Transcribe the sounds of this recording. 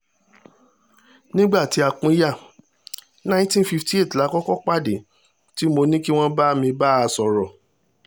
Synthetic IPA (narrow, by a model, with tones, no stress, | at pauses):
nĩ˦ɡ͡ba˦˨ti˨˦a˧k͡pũ˨˦ja˦˨ | nã˦ĩ˦tĩ˦fi˧fti˦e˦˨tla˨˦kɔ˦kɔ˦k͡pa˦˨de˨ | ti˦mo˧nĩ˦ki˦w̃ɔ̃˦ba˦mĩ˧ba˦a˧sɔ˨ɾɔ˨